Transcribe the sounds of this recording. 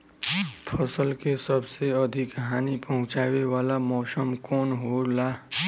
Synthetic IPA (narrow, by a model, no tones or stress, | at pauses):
pʰəsəlkesəbseəd̪ʱɪkɦaːnipɐɦʊ̃t͡ʃaːwewaːlamɔːsəmkɔːnɦolaː